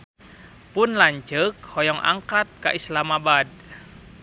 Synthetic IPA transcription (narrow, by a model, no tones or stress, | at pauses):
pʊnlaɲt͡ʃək̚hɔjɔŋʔa̰ŋkat̪̚ka̰ʔislamabad̚